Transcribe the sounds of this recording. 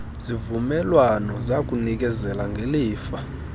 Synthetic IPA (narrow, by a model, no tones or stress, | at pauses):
zivumɛlwanɔzak̬ʼunik̬ʼɛzɛlaŋɡʱeliːfa